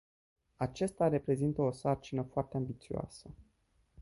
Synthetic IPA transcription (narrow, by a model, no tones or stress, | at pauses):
at͡ʃest̪are̞pɾe̞zint̪əosart͡ʃinəfoart̪e̞ambit̪sioa̰sə